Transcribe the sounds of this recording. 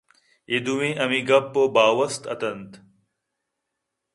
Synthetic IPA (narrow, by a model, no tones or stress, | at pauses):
id̪uwĩːʔɐmiɡɐpːobaːwɐst̪ɐ̰t̪ɐnt̪